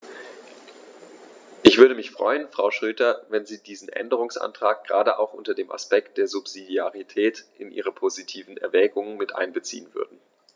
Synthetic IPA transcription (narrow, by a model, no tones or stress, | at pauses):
ʔɪçv̥ʏɐɾəmɪçfʁ̥ɔ̰ʏənfʁ̥aʊʃʁ̥øːtɐvɛnziːdiːzn̩ʔɛ̰ndəʁ̞ʊŋsʔa̰ntʁ̥aːk̚ɡ̥ʁaːdəʔa̰ʊxʔʊntɐdeːmʔa̰spɛk̚t̚d̥eːɐzupz̥idiaʁitʰɛːtʔɪnʔḭːʁəpʰozitʰiːvn̩ɛ̰ɐvɛːɡʊŋənmɪtʔa̰ɪnbət͡sḭːənvʏ̰ɐdn̩